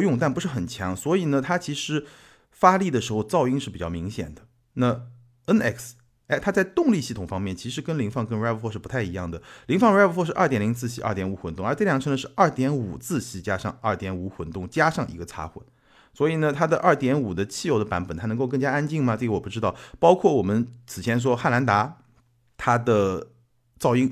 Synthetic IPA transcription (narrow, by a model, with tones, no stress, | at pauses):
jʊ˥˧ŋt̪a˥˩npu˧˥ʂɻ̩˥˩xə˨˩nt͡ɕʰjɑ̰˧˥ŋswɔ˧˥i˨˩nə˦t̪ʰa˥t͡ɕʰi˧˥ʂɻ̩˧˥ | fa˥li˥˩d̪ə˩ʂɻ̩˧˥xo˥˧ʊt͡sɑ˥˧ʊi˥ŋʂɻ̩˥˩pi˨˩t͡ɕɑ˥˩mi˧˥ŋɕjɛ̰˨˩nd̪ə˦ | na˥˩ | ə˥nɛ̰˥˩ks | ɛ˥t̪ʰa˥t͡sa˥˧ɪt̪ʊ˥˧ŋli˥˧ɕi˥˩t̪ʰʊ˨˩ŋfɑ˥ŋmjɛ˥˩nt͡ɕʰi˧˥ʂɻ̩˧˥kə˥nli˧˥ŋfɑ˥˩ŋkə˥nɻa˥pfɔ˥ʂɻ̩˥˩pu˧˥t̪ʰa˥˩ɪi˧˥jɑ˥˩ŋd̪ə˩li˧˥ŋfɑ˥˧ŋɻpfɔ˥ʂɻ̩˥˧ʔɐ̰˞˥˩t̪jɛ˨˩nli˧˥ŋt͡sʰɹ̩˥˩ɕi˧˥ʔɐ̰˞˥˧˩t̪jɛ˧˥nu˧˥xwə˧˥nt̪ʊ˥˧ŋə˞˧˥ʈ͡ʂɤ˥˩ljɑ˨˩ŋʈ͡ʂʰə˧˥nd̪ə˧ʂɻ̩˥˧ɐ˞˥˩t̪jɛ˧˥nu˨˩t͡sɹ̩˥˩ɕi˧˥t͡ɕja˥ʂɑ˥˧ŋə˞˥˩t̪jɛ˧˥nu˧˥xwə˧˩˦nt̪ʊ˥˩ŋt͡ɕja˥ʂɑ˥˩ŋʔi˧˥ɡə˧t͡sʰa̰˥xwə̰˨˩˦n | swɔ˧˥i˨˩nə˦t̪ʰa˥d̪ə˧ʔɐ˞˥˩t̪jɛ˧˥nu˨˩d̪ə˦t͡ɕʰi˥˧jo˧˥ʊd̪ə˧pa˧˥npə˨˩nt̪ʰa˥n˧˥ko˥˧kɤ˥˧ŋt͡ɕja˥a˥nt͡ɕi˥˩ŋmɐ˨ʈ͡ʂɤ˥˩ɡə˩wɔ˨˩pu˥˩ʈ͡ʂɻ̩˥ɑ˥˩ʊpɑ˥ʊkʰwɔ˥˩wɔ˨˩mə˦nt͡sʰɹ̩˨˩t͡ɕʰjɛ˧˥nʂ̬wɔ˥xa˥˩nla˧˥nt̪a˧˥ | t̪ʰa˥d̪ə˨ | t͡sɑ˥˧ʊi˥˩ŋ